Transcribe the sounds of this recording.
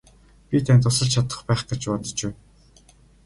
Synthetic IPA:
pʲit̪ʰænt̪ʊsə̆ɮt͡ɕʰat̪ə̆χpæːχɡet͡ɕpɔt̪ɞ̥̆t͡ɕæw

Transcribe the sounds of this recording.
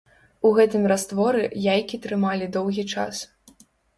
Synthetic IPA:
uɣɛt̪ɨmrast̪vɔɾɨjajkʲit̪ɾɨmalʲid̪ɔwɣʲit͡ʂa̰s

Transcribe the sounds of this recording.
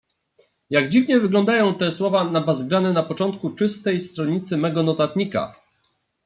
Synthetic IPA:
jaɡd͡ʑivɲɛvɘɡlɔnd̪ajɔ̃w̃t̪ɛswɔvanabazɡɾanɛnapɔt͡ʂɔnt̪̚kut͡ʂɘst̪ɛjst̪ɾɔɲit̪sɘmɛɡɔnɔt̪at̪ɲika̰

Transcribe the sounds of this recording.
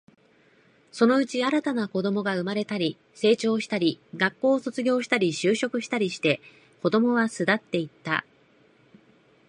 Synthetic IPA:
so̞no̞ɯ̟t͡ɕiaɾat̪anako̞d̪o̞mo̞ɡaɯ̟maɾe̞t̪aɾʲi | se̞ːt͡ɕo̞ːɕi̥t̪aɾʲiɡakːo̞ːso̞t͡sɨɡʲo̞ːɕi̥t̪aɾʲiɕɨːɕo̞kɯ̟ɕi̥t̪aɾʲiɕi̥t̪e̞ | ko̞d̪o̞mo̞β̞asɨd̪at̪ːe̞it̪ːa̰

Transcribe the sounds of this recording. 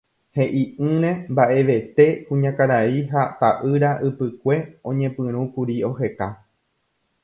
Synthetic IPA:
he̞ʔiʔɨ̃ɾ̃ẽ̞mbaʔe̞ʋe̞t̪e̞kũɲãkaɾaiɦat̪aʔɨɾaʔɨpɨkʷe̞õ̰ɲẽ̞pɨ̃ɾ̃ũkuɾio̞ɦe̞ka

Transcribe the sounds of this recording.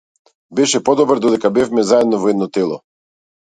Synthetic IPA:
bɛʃɛpɔd̪ɔbɾd̪ɔd̪ɛkabɛfmɛzaɛd̪nɔvɔɛd̪nɔt̪ɛlˠɔ

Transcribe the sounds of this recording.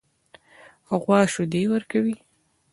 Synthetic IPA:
aɣwɑʃʊd̪ewəɾkawi

